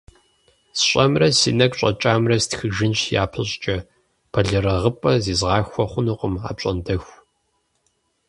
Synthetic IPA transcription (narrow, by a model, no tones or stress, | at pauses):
sɕʷʼɐmrɐsḭːnɐkɕʼɐ̰t͡ʃʼaːmrɐstxɨʒɪnɕja̰ːpʰɨɕʼt͡ʃʼɐ | pʰɐɮɨɾɐʁəpʼɐziːzʁɑːxʷɔχʷʊnuqʷʼəma̰ːp̚ɕʼɐndɐxʷ